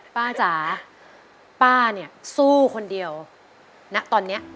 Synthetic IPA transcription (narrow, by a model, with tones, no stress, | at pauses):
paː˥˩t͡ɕaː˩˦ | paː˥˩ni˦˥˩ɐsuː˥˩kʰo˧ndi˧əw | na˦˥ʔt̪ɔː˧nːi˦˥ɐʔ